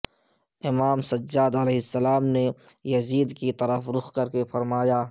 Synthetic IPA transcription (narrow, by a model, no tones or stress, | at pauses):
ɪmaːmsɐd͡ʒːaːd̪əleːɦɪsːɐlaːmnejɐziːd̪kit̪ɐɾəfɾʊxkɐɾkefɐɾmaːjaː